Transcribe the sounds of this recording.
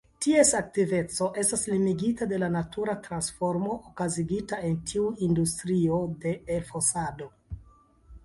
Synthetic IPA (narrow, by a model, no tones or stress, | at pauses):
tie̞sak̚tive̞t͡so̞ʔe̞staslimiɡitade̞lanatʰuɾatɾansfo̞ɾmo̞ʔokaziɡitae̞ntʰiuindustɾio̞de̞ːlfosado̞